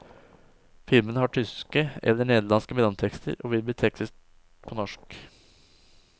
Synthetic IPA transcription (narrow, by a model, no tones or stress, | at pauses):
fɪlmənəhɑʈʰʏskəɛ̰lːəɳeːd̪əlɑnskəbɾɑnt̪ʰɛkst̪ʰə̰ɾo̰ːʋɪlb̪iːt̪ʰɛksɪs | pʰonɔʂk